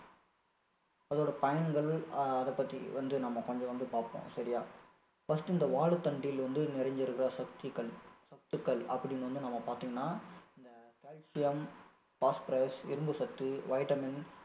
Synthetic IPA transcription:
ɐðoːɽɐpɐjɐnɡɐɭɐðɐpːɐt̪ːḭʋɐnd̪ɯnɐmːɐkɔɲd͡ʒɔ̃ʋɐnd̪ɯpaːɾpõ̰ːsɐɾɪjaː | fɐsʈɪnd̪ɐʋaːɭɯt̪ːɐɳɖɪjɪlʋɐnd̪ɯnɪɾɐɲd͡ʒɪɾɯkːɪɾɐsɐkt̪ikːɐɭsɐk̚t̪ɯkːɐɭɐ̰pːɐɽɪnʋɐnd̪ɯnɐmːɐpaːɾt̪iːŋɡɐnːaːɪnd̪ɐkelsɪjɐm | paːspɪɾɐɪsɪ̰ɾɯmbɯsɐk̚t̪ːɯʋɐɪʈɐmɪn

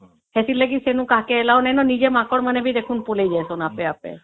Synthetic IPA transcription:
hesileɡisenũkakeelaonɛjnɔnid͡ʒemakɔɽmanebid̪ekʰunpolejd͡ʒajsɔnapeapḛ

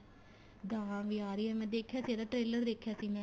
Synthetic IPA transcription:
d̪ãːʋiːaːɾiːɛːmɛ̃ːd̪eːkʰːjaːsiɛːd̪aːʈɾeːləɾd̪eːkʰjaːsiːmɛ̃ː

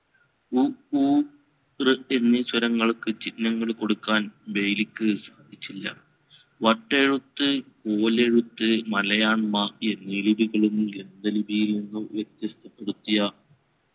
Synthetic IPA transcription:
uu | rɨe̞nːɨswɐɾɐŋːɐɭkɨt͡ɕinːɐŋːɐɭko̞ɽukːaːnbe̞jlikʲːɨsaːd̪ʱit͡ɕːilːɐ̰ | ʋɐʈːeɻut̪ːɨko̞ːle̞ɻut̪ːɨmɐlɐjaːɳmɐe̞nːilibiɣɐɭenːumɡend̪ɐlibʱiːlenːɐʋjek̚t̪jɐst̪ʰːɐpːeɽut̪ːija

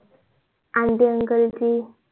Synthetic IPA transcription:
andeəŋɡəld͡ʒi

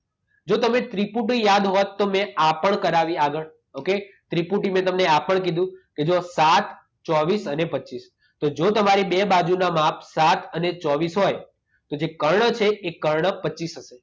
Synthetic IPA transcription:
d͡ʒot̪əmet̪ɾipuʈijad̪ɦɔt̪ːomẽapəɳkəɾaʋiaɡəɭ | oke | t̪ɾipuʈimẽt̪əmneapəɳk̬id̪ʱũked͡ʒosat̪ʰ | t͡ʃɔʋisənepətːt͡ʃis | t̪od͡ʒot̪əmaɾibebad͡ʒunamapsat̪ʰənet͡ʃɔʋisɦɔj | t̪od͡ʒekəɾɳət͡ʃʰeːkəɾɳəpətːt͡ʃːisɦəʃe

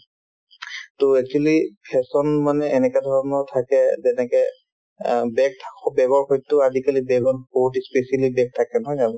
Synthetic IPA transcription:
toɛk̚t͡ʃualipʰɛsɔnmanɛɛnɛkɛdʱɔɹɔnɔtʰakɛzɛnɛkɛ | bɛk̚tʰḁkɔbɛɡɔɹxɔjtʊadikalibɛɡɔtboɦutspesalibɛk̚tʰakɛnɔɦɔjabɔ

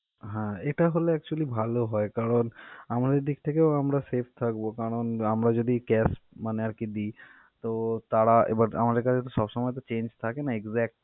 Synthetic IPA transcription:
ɦãeʈaɦoleɛk̚t͡ʃuəlibʱaloɦɔekaɾɔnamad̪eɾd̪ikʰt̪ʰekeoamɾasepʰt̪ʰakbokaɽɔnamɾad͡ʒod̪ʱikɛsmaneaɾkid̪i | t̪ot̪aɽaḛbaɾa̰mad̪eɾkat͡ʃʰet̪osɔbsɔmɔet̪ɔt͡ʃẽnd͡ʒt̪ʰakenaeɡzɛk̚ʈ

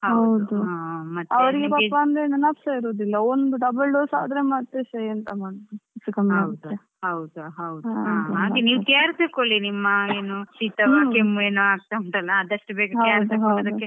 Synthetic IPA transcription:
hɐɦɐwd̪uamɐt̪ːɐʋɐɾiɡepapːɐɐnd̪enɐnaːpsaiɾoːd̪ilːɐond̪uɖɐbɐlɖoːsa̰ːd̪ɾemɐt̪ːesɐjɐnt̪ɐmaːɽod̪uusukɐmɐwt̪d̪ue | ɦɐwd̪uɦɐwd̪uãaːɡeniːʋt̪ɐjaɾsekolinimːɐeːnusit̪ɐʋakemːueːnuaːɡ̚t̪aɐɳt̪ɐlːɐːd̪ɐʂʈːɨbeːɡɐɐɐjaːɾdsekod̪ɐkːe

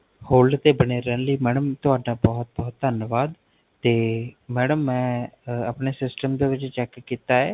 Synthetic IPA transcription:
hoːlɖt̪eːbəneːɾəːnləiːmɛːɽəmt̪ʊaːɖaːbɔːt̪̚bɔːt̪̚d̪ʱənʋaːd̪ | t̪eːmɛːɽəmːɛ̃ːəpneːsɪsʈəmd̪eːʋɪt͡ʃt͡ʃɛːkkːiːt̪aːɦɛː

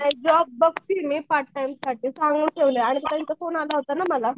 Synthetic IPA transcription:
naid͡ʑɔb̚ːəksinepaɾʈ̚ʈajmsaʈiːsãŋɡũːkeʋleaɽ̃it̪et̪jãnt͡safonalaɦot̪anaməla

